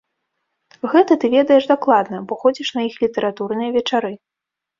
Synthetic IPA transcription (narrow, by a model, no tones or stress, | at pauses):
ɣɛt̪ɐt̪ɨvʲɛd̪ɐjɛʂd̪aklˠad̪nɐbɔxɔd͡zʲiʂn̪ɐjixlʲit̪ɐɾat̪urnɨjɐvʲɛt͡ʂaɾɨ